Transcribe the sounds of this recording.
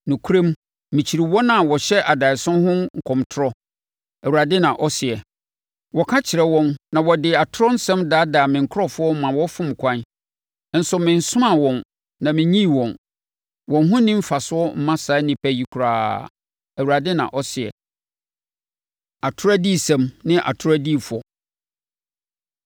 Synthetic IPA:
nʊ̃˨kʰu˦ɾẽ˦m˦ | mɪ̃˨t͡ɕʰi˨ɾi˨wɔ˦nã˨wɔ˨ɕɛ˦ʔa˨da˨ɪ˨sʊ̃˦ɦʊ̃˦ŋ̩˨kʰɔ̃˨mtʰʊ˦ɾɔ˦ | æ˨wu˨ɾa˨dɪ˦nã˨ʔɔ˦sɪ˨ɛ˨ | wɔ˨kʰa˦t͡ɕʰɪ˨ɾɛ˨wɔ̃˦nnã˨wɔ˨dɪ˨a˨tʰʊ˦ɾɔ˦n̩˦sɛ̃˦mdaː˨˦daː˨mɪ̃˨ŋ̩˨kʰɔ˦fʊ˦ɔ˦m̩˦mã˨wɔ˦fʊ̃˦m˨kʰʷã˦n˦ | n̩˦sʊ˨mɪ̃˨n˨sʊ˦mã˨wɔ̃˨n | nã˨mɪ̃˨ɲĩ˦˨wɔ̃˨n | wɔ̃˨n˦ɦʊ̃˦nɪ̃˦m̩˦fa˨sʊ˦ɔ˦m̩˦mã˦sa˨˦nɪ̃˨pʰæ˦ji˨kʷʰu˨ɾa̰ː˦ | æ˨wu˨ɾa˨dɪ˦nã̰˨ʔɔ˦sɪ˨ɛ̰˨ | a˨tʰʊ˦ɾæ˦di˦˨sɛ̃˦˨mnɪ̃˦ʔa̰˨tʰʊ˦ɾæ˦di˦˨fʊ˨ɔ˨

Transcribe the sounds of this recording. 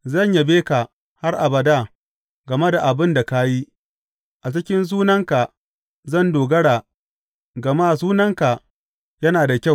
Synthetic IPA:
zɐ˦˨ɲja˨beː˦ka˨ | ha˦rʔa˨bɐ˨da˦˨ | ɡɐ˨me˦da˨ʔa˨bɪ˦nda˨ka˦ji˦ | ʔa˨t͡ʃɪ˦kʲɪ˦ns̬uː˦nɐ˦ŋka˨ | zɐ˦˨ndoː˨ɡɐ˦ɽaː˨ | ɡɐ˨maː˦˨zuː˦nɐ˦ŋka˨ | jɐ˦naː˨da˨kʲa˦˨w

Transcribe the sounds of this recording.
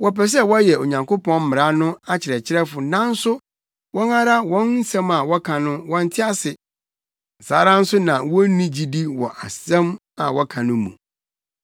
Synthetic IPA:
wɔ˨pɛ˨s̬ɛ˦wɔ˦jɛ˨o˨ɲã˨ŋkʰo˦pʰɔ̃˦n̩˦mɪ̃˨ɾa˦nʊ̃˦a˦t͡ɕʰɪ˨ɾɛ˨t͡ɕʰɪ˦ɾɛ˦fʊ˨nã˦n̩˦sʊ˦ | wɔ̃˦na˦ɾa˦wɔ̃˦nn̩˦sɛ̃˦ma˨wɔ˦kʰã˨nʊ̃˦wɔ̃˦n˦tʰɪ˦a˦sɪ˨ | n̩˨saː˦ɾã˦n̩˦sʊ˦nã˨wɔ̃˦n˦nĩ˦d͡ʑi˨di˦wɔ˨ʔa˨sɛ̃˦m | a̰˨wɔ˦kʰã˨nʊ̃˦mṵ̃˨

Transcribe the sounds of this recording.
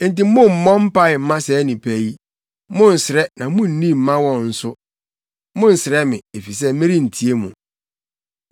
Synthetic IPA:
n̩˨ti˨˦mʊ̃˦m̩˨mɔ̃˦m̩˦pa˦ɪ˨m̩˦mã˦sɛ˨˦nĩ˨pʰæ˨i˦ | mʊ̃˦n̩˨sɪ˨ɾɛ˦nã˨˦mʊ̃˦n̩˨nĩ˦m̩˨mã˦wɔ̃˦nn̩˨sʊ˦ | mʊ̃˦n̩˨sɪ˨ɾɛ˦mɪ̃˨e˨fi˨s̬ɛ˦mɪ̃˦ɾi˦n̩˨tʰi˨e˦mṵ̃˨

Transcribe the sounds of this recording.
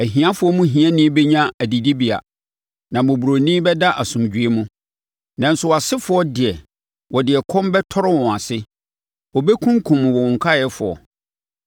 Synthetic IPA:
æ˨ɦĩ˨ã˦fʊ˨˦ɔ˦mũ˦ɦĩ˨˦ɛ̃˦nĩ˦bɛ˦ɲã˦æ˨di˨di˦bi˨a̰˨ | nã˨mʊ̃˨bu˨ɾo˨nĩ˦bɛ˦da˦ʔa˨sʊ̃˨md͡ʑᶣɥe˦mũ˦ | nã˨n̩˦sʊ˦wa˨sɪ˦fʊ˦ɔ˦dɪ˨ɛ˨ | wʔɔ˨dɪ˨ɛ˨kʰɔ̃˦mbɛ˦tʰɔ˦ɾɪ˦wɔ̃˨a˨sɪ˦ | wɔ˨bɛ˦kʰũ˦ŋkʰũ˨m̃˨wɔ˨ɔ̃˨ŋ˨kʰa˦˨jɛ˦fʊ̰˨ɔ̰˨

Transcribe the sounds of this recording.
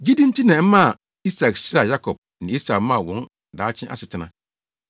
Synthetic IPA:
d͡ʑi˦dĩ˦n̩˦tʰi˦nɛ̃˨m̩˦mã˦a˨ | i˦sa˨kɕɪ˦ɾa˨ja˦kʰɔ˨b̚ | nɪ̃˨˦i˦sa˨k̩˦mã˦˨wɔ̃˨˦n˨ | daː˨˦t͡ɕʰɪ̃˦ʔa̰˦sɪ˨tʰɪ˦nã̰˦

